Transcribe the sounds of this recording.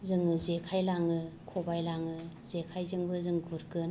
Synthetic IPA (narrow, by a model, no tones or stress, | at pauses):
zɯŋɯzekʰajlaŋɯkʰobajlaŋɯzekʰajzɯŋbɯzɯŋɡuɾkɯn